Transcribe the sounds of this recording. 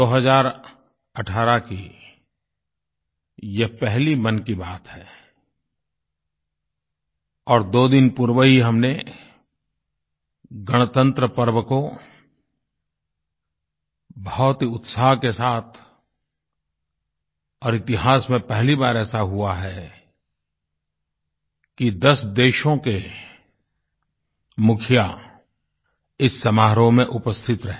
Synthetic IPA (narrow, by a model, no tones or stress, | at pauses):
d̪oːɦəzaːɾ | əʈʰaːɾaki | jepɛɦlimənkibaːt̪ɦɛː | ɔːɾd̪oːd̪ɪnpʊɾwəɦiɦɐmne | ɡəɽ̃t̪ə̃nt̪ɾəpəɾwəko | bɐɦɔt̪ʊt̪saːɦkesaːt̪ʰ | ɔːɾɪt̪ɪɦaːsmẽpɛɦlibaːɾɛːsaɦuaɦɛ | kid̪ɐsd̪eːʃõke | mʊkʰja | ɪsːɐmaːɦɾõmẽʔʊpəst̪ʰɪt̪ɾɐɦeː